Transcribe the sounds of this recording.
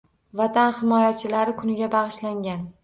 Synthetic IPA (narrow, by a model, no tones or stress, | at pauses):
vat̪ʰanhɪmɒjat͡ʃʰɪlaɾɪkʰʊnɪɡʲabɑʁɨʃlaŋʲan